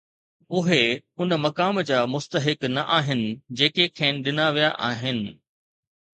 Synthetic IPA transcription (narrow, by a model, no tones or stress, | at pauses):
ʊɦeʊnmɐkaːmd͡ʑaːmʊst̪əɦɪknɐʔaːɦɪnɪ̆d͡ʑeːkekʰẽːnɪɗɪnaʋijaʔaːɦɪnɪ̆